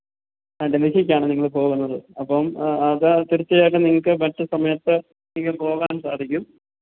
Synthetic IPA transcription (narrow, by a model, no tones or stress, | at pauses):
ɐɖelikʰikʲːaːɳɨniŋːɐɭpo̞ːɣunːɐðɨɐpːɐmɐðɨt̪iɾit͡ɕːɐjoːʈːɨniŋːɐkɨmɐʈːɨsɐmɐjɐt̪ːɨ | niŋːɐɭpo̞ːɣaːnsaːd̪ʱikʲːum